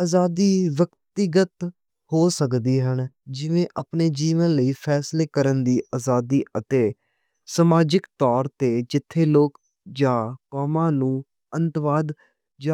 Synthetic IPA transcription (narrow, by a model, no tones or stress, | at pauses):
aːzaːd̪iːʋəkt̪ɪɡət̪ | hoːsəkd̪iːɦən | d͡ʒɪʋẽːʔapneːd͡ʒiːʋənləiːpʰɛːsleːkəɾənd̪iːʔaːzaːd̪iːət̪eː | səmaːd͡ʒɪkt̪ɔːɾt̪eːd͡ʒɪt̪ʰːeːloːk | d͡ʒãːkɔːmãːnũː | ənt̪ʋaːd̪ | d͡ʒa